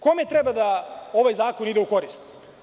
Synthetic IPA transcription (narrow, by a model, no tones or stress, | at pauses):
komet̪ɾebad̪ao̞ʋajzaːko̞nid̪euko̞ɾist̪